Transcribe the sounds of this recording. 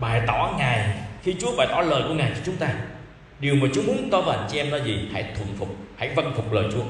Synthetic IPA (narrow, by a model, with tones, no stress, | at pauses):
ɓaː˨˩jt̪ɔ˨˩˦ŋa˨˩jxi˧t͡ɕu˨˦əɓaː˨˩jt̪ɔ˨˦ləː˨˩jku˧ŋaː˨˩jt͡ɕɔ˧t͡ɕʊ˨˦ŋ͡mt̪aː˧ | ɗi˨˩əwmaː˨˩t͡ɕu˨˦mu˨˦ə˦nt̪ɔ˧˦vaː˨˦ʔa˧˩ŋ̟t͡ɕi˧ʔɛ˧mnɔ˨˦zi˨˩ha̰˧˥˩jt̪ʰwə̰˧˩nfʊ˨˩k͡p̚ha̰˧˥˨jvə˧nfʊ˨˩k͡p̚ləː˨˩jt͡ɕu˨˦ə